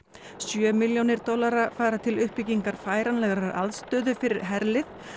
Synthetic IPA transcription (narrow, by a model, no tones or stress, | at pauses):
sjœːmiljownɪɾt̪ɔlaɾafaːɾat̪ʰɪlʏhpiciŋkaɾ̥faːjɾanlɛɣɾaɾa̰ðst̪œːðʏfɪɾɪɾ̥ɦɛɾlɪθ